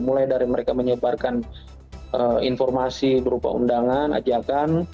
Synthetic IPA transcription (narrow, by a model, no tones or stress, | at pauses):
mulajdaɾiməɾekaməɲəbarkan | əinfɔrmasibəɾupa̰ṵndaŋana̰d͡ʒakan